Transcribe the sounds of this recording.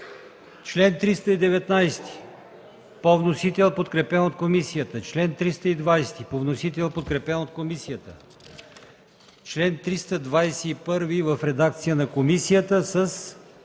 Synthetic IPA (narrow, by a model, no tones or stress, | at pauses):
t͡ʃlɛnt̪ɾist̪əid̪ɛvɛt̪najst̪i̥ | povnosit̪ɛlˠpot̪kɾɛpɛnot̪komisijət̪ət͡ʃlɛnt̪ɾist̪əid̪vajst̪ipovnosit̪ɛlˠpot̪̚kɾɛpɛnot̪̚komisijət̪ə̰ | t͡ʃlɛnt̪ɾist̪əd̪vajsɛipɤɾvivəfɾɛd̪akt̪sijənɐkomisijət̪əsəs